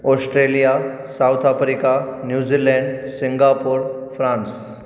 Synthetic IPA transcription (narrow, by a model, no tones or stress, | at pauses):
ɔsʈɾelija | sawt̪ʰafɾikanjud͡ʑilɛɳɖsĩŋɡapuɾfɾãns